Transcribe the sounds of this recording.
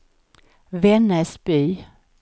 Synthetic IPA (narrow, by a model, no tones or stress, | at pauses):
vɛnːəʂbyː